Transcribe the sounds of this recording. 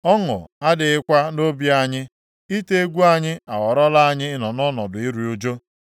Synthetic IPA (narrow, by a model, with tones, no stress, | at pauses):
ɔ˦ŋʊ̰˨a˦dɪ˨ɪ˦kʷa˦no˦bja˦ɲɪ˦ | i˦te˦e˦ɡʷu˦a˦ɲɪ˦a˨wɔ˨ɾɔ˦la˦a˦ɲɪ˦ɪ˦nɔ˨nɔ˦nɔ˨dʊ˨i˦ɾu˨o˦d͡ʒo˦